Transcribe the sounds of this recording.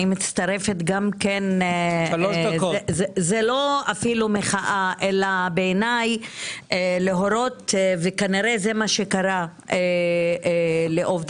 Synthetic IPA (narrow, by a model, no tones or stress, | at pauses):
imit͡st̪aʁe̞fet̪ɡamkenʃloʃdkozezelo̞afilumeχaʔaʔelabeːnajeleɦo̞ɾo̞t̪vekaniʁezemaʃekaʁa | e | leʔovd̪